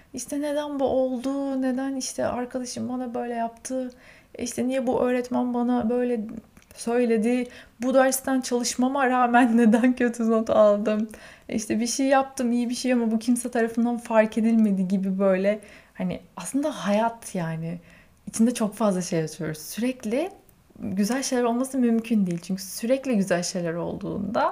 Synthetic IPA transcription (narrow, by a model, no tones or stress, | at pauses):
iʃt̪ʰɛne̞d̪ænbuʔo̞lˠd̪uːne̞d̪æniʃt̪ʰɛ̰ʔaɾkʰad̪aʃɯmbanabø̞jlʲɛjapt̪ʰɯ | ḭʃt̪ʰɛnijɛbuʔø̞ːɾɛt̪mænbanabø̞jlʲɛ | sø̞jlʲe̞d̪ɪbud̪æɾst̪ʰant͡ʃʰalˠɯʃmamaɾaːmænːe̞d̪æncʰø̞t̪ʰyno̞t̪ʰalˠd̪ɯmḭʃt̪ʰɛbiʃejjap̚t̪ʰɯmijibiʃejamabucʰimsɛt̪ʰaɾafɯnd̪anfaɾkʰe̞d̪ilʲme̞d̪iɟibibø̞jlʲɛhanɪ̰aslˠɯnd̪ahajat̪jaːnɪ | it͡ʃʰind̪ɛt͡ʃʰo̞kfazlˠaʃe̞jat̪ʰɯjo̞ɾuzsyɾɛclʲɪ | ɟyzælʲʃejlʲæɾo̞lˠmasɯmymcʰynd̪ejilʲt͡ʃʰyɲcʰysyɾɛclʲiɟyzælʲʃe̞jlʲæɾo̞̰lˠd̪ṵːnd̪a